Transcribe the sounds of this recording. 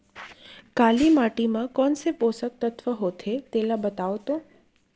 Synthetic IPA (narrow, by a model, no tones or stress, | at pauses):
kalimaʈimãkɔnseposək̚t̪ət̪ʰʋəɦot̪ʰet̪elabət̪aʋt̪o